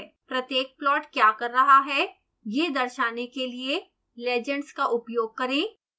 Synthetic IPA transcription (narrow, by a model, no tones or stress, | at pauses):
pɾɐt̪jeːk̚plɔːʈkjaːkɐɾːɐɦaɦɛ | jed̪ɐɾʃaːnekelie | leːd͡ʒə̃ɳɖskaʔʊpjoːɡ̚kɐɾẽː